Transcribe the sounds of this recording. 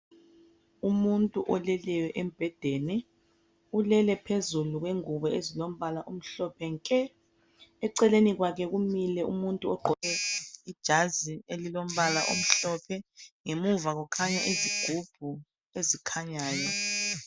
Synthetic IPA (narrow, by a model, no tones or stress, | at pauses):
umuntʼuʔɔlɛlɛwɛʔem̩b̥ʱɛd̥ʱɛnɛ | ulɛlɛpʰezuluɣ̬weŋuβɔezilom̩βalaʔom̩ɬɔpʰɛŋkʼɛ | ɛǀɛleniɣwak̬ʰɛɣumilɛʔṵmuntʼuɔɡ͡ǃʱɔɛid̥ʒ̥ʱazielilom̩βalaʔo̰m̩ɬɔpʰɛŋemuvaɣukʰaɲaʔiziɡ̥ʱub̥ʱu | ezikʰaɲaːjɔ